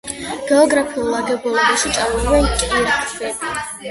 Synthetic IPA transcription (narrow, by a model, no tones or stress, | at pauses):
ɡ̥ɛɔɡɾapʰiulˠaɡɛbulˠɔbaʃit̪sʼaɾulvɛnkʼiɾt̪ʼzɛ